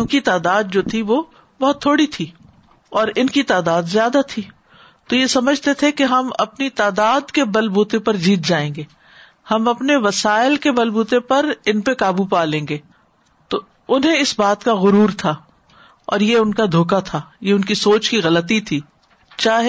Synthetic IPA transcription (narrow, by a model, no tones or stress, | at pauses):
kit̪aːd̪aːd̪̚d͡ʒoːt̪ʰiʋo | bɔɦʊt̪ʰːoːɽit̪ʰiː | ɔːɾɪnkit̪aːd̪aːd̪zjaːd̪at̪ʰiː | t̪ojesɐməd͡ʒʱt̪et̪ʰekeɦɐmɐ̰pnit̪aːd̪aːd̪kebɐlbuːt̪ẽpɐɾd͡ʒiːt̪̚d͡ʒaːẽːŋɡeː | hɐmɐpneʋɐsaːɪlkebɐlbuːt̪ẽpɐɾɪnpekaːbupaːlẽːŋɡeː | t̪oː | ʊnɦẽɪsbaːt̪kaɣʊɾuːɾt̪ʰaː | ɔ̰ːɾjeʊnkad̪ʱoːkat̪ʰaːjeʊnkisoːt͡ʃkiɣɐlət̪it̪ʰiː | t͡ʃaːɦe